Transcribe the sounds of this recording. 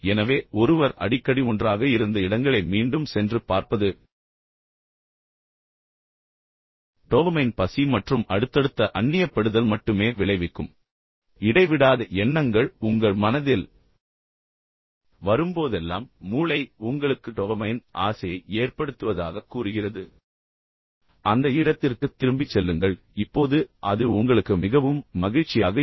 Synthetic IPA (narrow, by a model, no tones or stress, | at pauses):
ɛnɐʋeːʔɔɾɯʋɐɾɐ̰ɽɪkːɐɽiɔndraːɣɐɪɾɯnd̪ɐɪɽɐŋɡɐɭɐɪmiːɳɖɯmsɛndrɯpaːɾpɐðɯ | ʈoːɣɐmɐɪnpɐsimɐʈrɯmɐɽɯt̪ːɐɽɯt̪ːɐʔɐɳːɪjɐpːɐɽɯðɐlmɐʈːɯmeːʋɪɭɐɪʋɪkːɯm | ɪɽɐɪʋɪɽaːðɐʔɛnːɐŋɡɐɭʊŋɡɐɭmɐnɐðɪl | ʋɐɾɯmpoːðɛlːa̰ːmːuːɭɐɪʊŋɡɐɭɯkːɯʈoːʋɐmɐjnʔaːsɐjɐɪeːrpɐɽɯt̪ːɯʋɐðaːɣɐkːuːrɯɣɪrɐðɯ | ʔɐnd̪ɐɪɽɐt̪ːɪrkɯt̪ːɪɾɯmbɪt͡ʃːɛlːɯŋɡɐɭ | ɪpːoːðɯʔɐðɯʊŋɡɐɭɯkːɯmɪɣɐʋɯmːɐɣɪɻt͡ʃːɪjaːɣɐ